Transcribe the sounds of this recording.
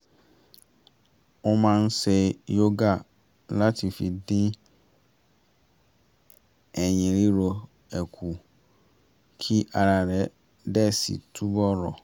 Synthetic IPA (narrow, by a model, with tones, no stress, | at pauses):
ɔ˦mã˦n˦se˨jo˦ɡa˨ | la˦tʰi˨fi˨dɪ̃˦ | ɛ˨ɲĩ˨ɾi˦ɾo˨ | ɛ˨kʰu˨ | kʰi˦ʔa˨ɾa˨ɾɛ˨˦ | dɛ˦sḭ˨tʰu˦bɔ˦ɾɔ̰˨